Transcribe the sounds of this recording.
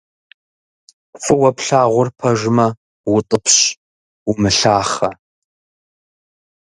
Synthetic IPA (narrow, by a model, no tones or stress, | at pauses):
fɨwɐpɬaːʁʷʊrpʰɐʒɪmɐ | wʊtʼɨpʰɕ | ʊmɨɬaːχɐ